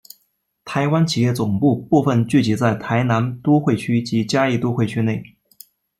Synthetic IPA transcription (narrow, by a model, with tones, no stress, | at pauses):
t̪ʰa˧˥ɪwa˥nt͡ɕʰi˨˩jɛ˥˩t͡sʊ˨˩ŋpu˥˧pu˥˧fə˥˧nt͡ɕy˥˩t͡ɕi˧˥t͡sa˥˩ɪt̪ʰa˧˥ɪna˧˥nt̪wɔ˥xwe˥˩ɪt͡ɕʰy˥t͡ɕi˧˥t͡ɕja˥i˥˩t̪u˥xwe˥˩ɪt͡ɕʰy˥ne˥˩ɪ